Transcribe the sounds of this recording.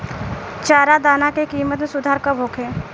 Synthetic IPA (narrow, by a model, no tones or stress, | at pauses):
t͡ʃaːɾad̪aːnakekiːmət̪mẽsʊd̪ʱaːɾkabʱoːkʰẽː